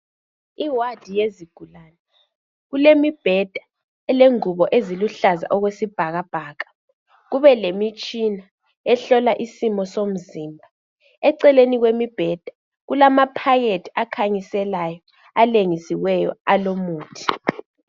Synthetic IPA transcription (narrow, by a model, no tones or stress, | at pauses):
iwad̥ʱijeziɡ̥ʱulana | ɣulemib̥ʱɛd̥ʱa | ɛleŋuβɔʔeziluɬaza̰ʔɔɣwesib̥ʱaɣab̥ʱaːɣa | ɣuβɛlemit͡ʃʼina | ɛɬɔlaʔisimɔsom̩ziːmbʱa | ɛǀɛleniɣwemib̥ʱɛd̥ʱḁ | ɣulamapʰajetʰiakʰaɲisɛlajɔ | aleŋisiwɛjɔ̰alomuːtʰi̥